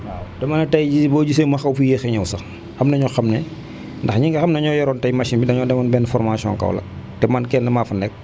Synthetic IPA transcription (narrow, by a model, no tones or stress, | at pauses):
adɐmɐnɐtɐjd͡ʒibɔːɟis̬emɐxɐwfujexɛɲɐwsɐ | xɐmnɐɲɔxɐmnɛ | ndɐxɲiŋɡɐxɐmnɐɲɔjɐɾɔːntɐjmaʃinbidɐɲɔːdɛmɐnbɛnfɔrmasiɔ̰ŋkɐ̰w̰lɐ̰k̚ | tɛmaːnkɛndɐmafɐnɛk̚